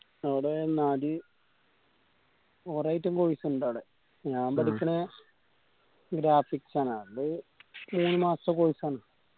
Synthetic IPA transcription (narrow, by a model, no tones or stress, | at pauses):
ɐʋɽenːaːɾi | oːrɐjtːumkoːjisɨuɳɖaːɽe | ɲaːmbɐɽikʲːɐne | ɡɾaːfiksaːnaːdɨmuːnːɨmaːsɐkoːjisaːnaː